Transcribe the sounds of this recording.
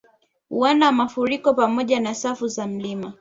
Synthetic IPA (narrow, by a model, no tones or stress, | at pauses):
uwanamafuɾikɔpamɔʄanasafuzam̩lima